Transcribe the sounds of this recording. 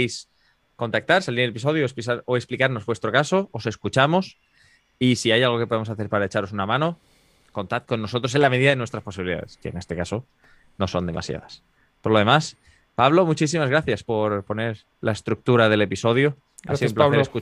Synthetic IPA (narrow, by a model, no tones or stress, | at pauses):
js | ko̞nt̪ak̚t̪aɾsaliɾele̞pis̬o̞ðjoessaɾoeksplikaɾno̞zβwe̞st̪ɾo̞kaso̞ose̞skut͡ʃamo̞s | isiajalɣ̞o̞ke̞poð̞emosaθe̞ɾpaɾaet͡ʃaɾo̞sunamãno̞ | ko̞nt̪at̪̚ko̞nːo̞so̞t̪ɾoselame̞ðiðaðenwe̞st̪ɾaspo̞siβiliða̰ðeske̞̰ne̞st̪e̞kaso̞ | no̞so̞nd̪e̞mʔa̰sja̰ðas | poɾlo̞ð̞e̞mas | paβ̞lo̞mut͡ʃisimazɣɾaθjaspo̞ɾpo̞ne̞ɾ | lae̞st̪ɾuk̚t̪uɾaðe̞le̞piso̞ðjo | a̰siðupleeesku